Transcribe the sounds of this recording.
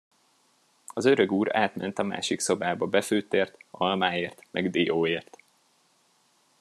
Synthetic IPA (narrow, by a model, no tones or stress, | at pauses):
ɒzø̞ɾøɡuːɾa̰ːt̪mɛnt̪ɒma̰ːʃikso̞baːbɒbɛføːt̪eːrt̪ɒlmaːeːrt̪mʔɛ̰ɡd̪ioːeːrt̪